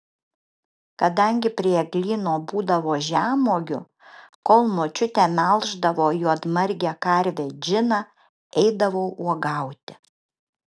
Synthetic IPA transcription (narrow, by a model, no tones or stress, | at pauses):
kɐd̪ɐŋʲɡʲɪpʲɾʲiɛɡlʲiːnoːbuːd̪ɐʋoːʒʲæːmoːɡʲʊ | koːlˠnoːt͡ʃʲʊt̪ʲæmʲɛlˠʒd̪ɐʋoːjuːɐt̪mɐɾʲɡʲækɐɾʲʋʲeːd͡ʒʲɪnɑ | ɛɪd̪ɐʋoʊʔuɔɡɐˑʊt̪ʲɪ̥